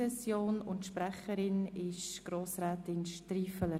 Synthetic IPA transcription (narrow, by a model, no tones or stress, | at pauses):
ɛsjoːnʊ̰ntʃpɾɛχəɾɪnɪʃɡ̥ɾoːsɾɛːtɪnʃtɾiːfələ